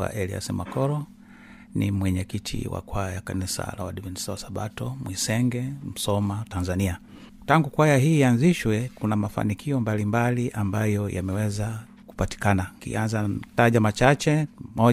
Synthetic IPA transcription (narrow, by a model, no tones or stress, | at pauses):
a̰ʔɛlia̰sḭmakɔɾɔ | nḭmwɛɲɛkitʰḭwa̰kwaajakanisa̰la̰waɗivɛnisawasaɓatɔmwisɛŋɡɛm̩sɔmatanzania | taŋɡukwajaɦiːanziʃwɛkunamafa̰nikʰiɔmbalimbaliʔambajɔja̰mɛwɛza | ku̥pati̥kanakḭanzataʄamat͡ʃat͡ʃɛmɔ